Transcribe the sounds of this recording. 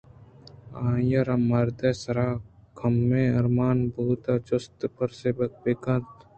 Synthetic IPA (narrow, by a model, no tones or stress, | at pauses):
ãːjɐɾɐmːɐɾd̪esɐɾaːkʰɐmːẽɐɾmaːnbuːt̪at͡ʃʊst̪pɐɾseːbɐk̚bekɐ̃t̪